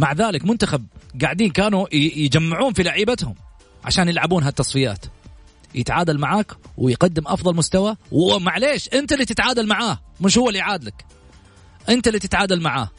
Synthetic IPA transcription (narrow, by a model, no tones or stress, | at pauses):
maʕðaːlɪkmʊnt̪axab̚ɡaʕd̪iːnkaːnujd͡ʒamːɪʕuːnfilaʕiːbat̪hʊ̰m | ʕa̰ʃaːnjɪlʕabuːnɦat̪ːɑsˤfɪja̰ːt̪ | jɪt̪ʕaːd̪almaʕaːkwɪjqad̪ːɪmʔɑfðˤɑlmʊst̪awawɪmaʕleːʃʔɪnt̪alːiːt̪ɪt̪ʕaːd̪almaʕaːmɪʃhʊwːalːiʕaːd̪lak | ʔɪnt̪alːiːt̪ɪt̪ʕaːd̪almaʕa̰ː